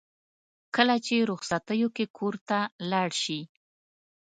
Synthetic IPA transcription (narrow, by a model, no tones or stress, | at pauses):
kəlat͡ʃeɾʊxsat̪əjokekʰoɾt̪alɑɽʃi